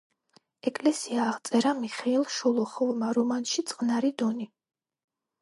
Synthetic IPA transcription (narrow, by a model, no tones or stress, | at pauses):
ɛkʼlɛsiaːʁt̪sʼɛɾamiχɛilˠʃɔlˠɔχɔvmaɾɔmanʃit̪sʼqʼnaɾid̪ɔni